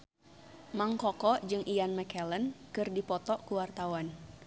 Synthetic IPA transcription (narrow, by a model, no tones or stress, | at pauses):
maŋkɔkɔʔd͡ʒɨŋʔijanmɛkɛlənkɨrdipɔt̪ɔʔkuwart̪awan